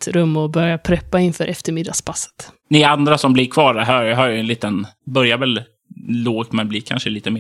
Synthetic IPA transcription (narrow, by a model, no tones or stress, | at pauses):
t̪ɾɵmːɔbœɾjapʰɾɛpːaɪnfœːɾʔɛft̪əɾmɪd̪aspʰasːə̥t̪ | nɪand̪ɾasɔmblɪkʰvɑːɾɦɑːɦaɾjɛnliːt̪ənbœɾjavɛl | loːɡt̪mɛnbliːkʰanʂəliːt̪əmeː